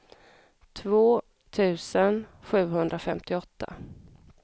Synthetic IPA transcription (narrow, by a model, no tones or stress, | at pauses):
t̪ʰvoː | t̪ʰʉ̟ːsənɧʉ̟ːɦɵnd̪ɾafɛmt̪ɪɔt̪ʰːa̰